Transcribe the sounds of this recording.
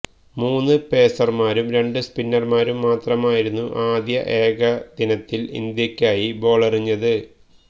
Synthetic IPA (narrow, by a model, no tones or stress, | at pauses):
muːnːɨpe̞ːsɐrmaːɾumɾe̞ɳɖɨspinːɐrmaːɾumːaːt̪rɐmaːjiɾunːuʔaːd̪jɐ̰ʔe̞ːɡɐd̪̥inɐt̪ːilḭnd̪jɐkʲːaːjibo̞ːɭɐriɲːɐðɨ